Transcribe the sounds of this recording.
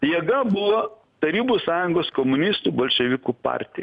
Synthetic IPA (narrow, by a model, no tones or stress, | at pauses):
jɛːɡɐbʊʋoː | t̪ɐɾʲiːbusɑːjʊŋɡoːskomʊnʲist̪uːbɐlʲʃʲɛʋʲɪkuːpɑ̰ːɾʲt̪ʲɪj